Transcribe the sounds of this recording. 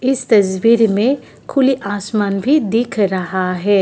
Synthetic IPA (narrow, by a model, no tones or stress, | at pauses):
ɪst̪ɐswiːɾmẽ | kʰʊliʔaːsmaːnbʱid̪ɪkʰɾɐɦaɦɛː